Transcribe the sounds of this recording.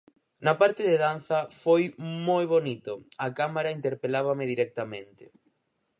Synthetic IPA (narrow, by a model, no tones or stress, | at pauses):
nɐpaɾt̪ɪðeðanθɐfojmojβonit̪ʊɐkamaɾaint̪eɾpelaβ̞ɐmɪðiɾɛk̚t̪amẽnt̪ɪ̥̰